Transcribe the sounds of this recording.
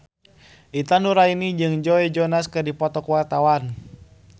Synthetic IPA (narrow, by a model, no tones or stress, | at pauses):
ʔit̪anuɾainid͡ʒɨŋd͡ʒɔɛd͡ʒɔnaskɨrdipɔt̪ɔkuwart̪awan